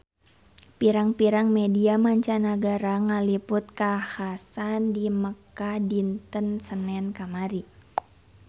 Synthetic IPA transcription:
piɾaŋpiɾaŋmediamaɲt͡ʃanaɡaɾaŋalipʊt̪̚kahasandiməkadint̪ənsənɛnkamaɾi

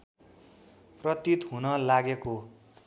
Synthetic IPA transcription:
prʌt̪it̪ɦunʌlaɡeko

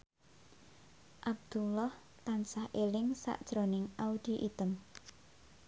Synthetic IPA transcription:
ʔab̚d̪̥ulɔh | t̪ansahʔelɪŋsa̰ʔd̥ʒ̥ɾonɪŋʔaud̪̥iʔit̪əm

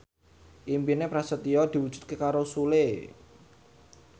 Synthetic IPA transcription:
ʔimpinepɾasət̪iɔd̪̥i̤wu̥ʒ̥ṳ̥t̪̚kekaɾosule

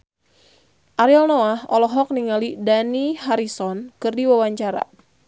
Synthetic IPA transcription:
ʔaɾialnoahɔlɔɦɔk̚niŋalidaniɦaɾisɔnkɨrdiwawaɲt͡ʃaɾa̰

